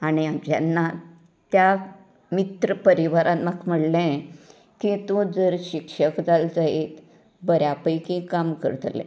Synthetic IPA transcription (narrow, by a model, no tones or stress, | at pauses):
aɽ̃id͡ʑja̰nːa | t̪ja | mit̪ɾəpəɾiʋaɾãt̪makm̤əɽlẽ | kĩt̪ũd͡zəɾɕikʂəkd͡zald͡zaet̪ | bəɾjapəjkĩkamkə̰ɾt̪lɛ̰̃